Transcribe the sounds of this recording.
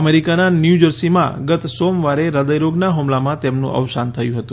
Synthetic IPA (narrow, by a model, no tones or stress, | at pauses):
əmeɾikananjud͡ʒəɾsimã̰ɡət̪somʋaɾeɾəd̪əjɾoɡnaɦomlamãt̪emnṵ̃ʔə̰ʋsant̪ʰəjũɦət̪ũ